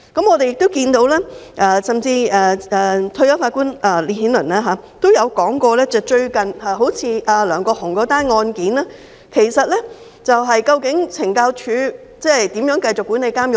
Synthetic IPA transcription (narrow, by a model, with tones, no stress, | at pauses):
kɐ˨˥mŋɔː˨˧t̪e˨jɪ˨k̚t̪o˥wkiː˧nt̪o˨˥wlɛː˥ʔɐː˧˩sɐ˨˩mt͡siː˧ɛː˧ɛː˨˧t̪ʰɵ˧jɐ˨˥faː˧tkuː˥nɛː˨˩li˨nhiː˨˥nlɵ˨˩naː˥ɦaː˨˧t̪o˥wjɐ˨˧wkɔː˨˥ŋkɔː˧lɛː˥t͡sɛː˨˧t͡ʃɵ˧ɥkɐ˨nhaː˨˧ɦo˨˥wt͡sʰiː˨˧ʔaː˨˧lœː˨˩ŋkɔː˧hʊ˨˩ŋkɔː˨˥t̪aː˥nŋɔː˧nkiː˨˥naː˥ | kʰe˨˩jsɐ˨t̚lɛː˥ | t͡sɐ˨wɦɐ˨jkɐ˧wkɪ˨˥ŋt͡sʰɪ˨˩ŋkaː˧wt͡ʃʰyː˨˥ | t͡sɛː˥˨t̪i˨˥mjœː˨˥ŋkɐ˧jt͡sʊ˨kːuː˨˥ne˨˧jkaː˥mjʊ˨